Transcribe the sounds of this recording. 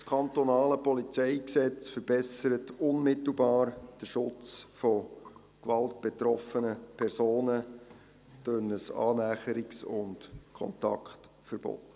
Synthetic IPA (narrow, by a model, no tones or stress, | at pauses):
skʰɑnt̪ɔnɑːləpɔlit͡sɛɪksɛt͡sfəɾb̥ɛsəɾətʊnmɪt̪l̩ˠbɑːɾd̥əʃʊt͡sfɔ | kʋɑlt̚b̥ɛt̪ɾɔfənəpʰɛɾsoːnə | d̥ønəsɑ̰ːnæːχəɾɪksʊ̰ndkʰɔ̰ntɑ̰kχt | fəɾb̥o̰t